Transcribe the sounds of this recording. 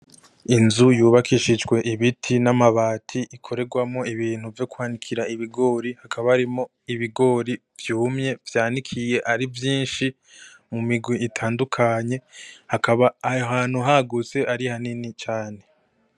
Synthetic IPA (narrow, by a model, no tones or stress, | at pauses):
inzujuːβakʰiʃid͡ʒɡwe̞ʔiβitʰinamaβaːtʰiʔikʰo̞ɾe̞ɡwamo̞iβiːn̥huvjo̞kwaːnikʰiɾaiβiɡo̞ːɾihakʰaβahaɾimo̞ | iβiɡo̞ɾi | vjuːmɲe̞vjaːnikʰije̞ʔaɾivjiːnʃi | mumiɡwiitʰaːndukʰaɲe̞hakaβaaɦaːn̥huɦaɡut͡se̞ʔaɾihaninit͡ʃaːne̞